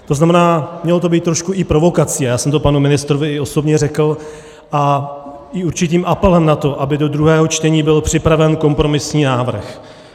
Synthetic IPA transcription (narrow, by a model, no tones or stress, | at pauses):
t̪o̞znamɛnaːmɲɛlot̪̬o̞biːt̪ːɾo̞ʃkuʔɪpɾo̞vo̞kat͡siːajaːsɛmt̪opanumɪnɪst̪ɾovɪɪo̞so̞bɲɛrɛkl̩ | ʔa | ɪuɾt͡ʃɪt̪iːmʔapɛlɛmnat̪o̞ʔabɪdo̞d̪ɾuɦɛːɦo̞t͡ʃt̪ɛɲiːbɪlpr̝̥ɪpɾavɛnko̞mpɾo̞mɪsɲiːnaːvr̩x